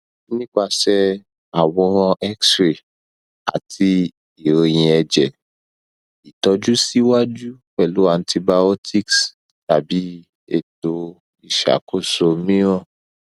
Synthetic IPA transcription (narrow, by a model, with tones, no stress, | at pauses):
nĩ˦k͡pa˧sɛ˧ | a˨wɔ̃˧ɾ̃ɔ̃˧ʔɛ˦ksɾe˨ | a̰˨tʰi˧ | i˨ɾo˧j̃ĩ˧ɛ˧d͡ʒɛ˨ | i˨tɔ˧˦d͡ʒu˦si˦wa˦d͡ʒu˦k͡pɛ˦˨lu˨˦a˧n˧tʰi˧ba˧o˦tʰi˦ks | ta˨bi˨˦ | ḛ˦˨to˧ | i˦˨ʃa̰˨˦ko˦˨so˧mĩ˦ɾ̃ɔ̃˦˨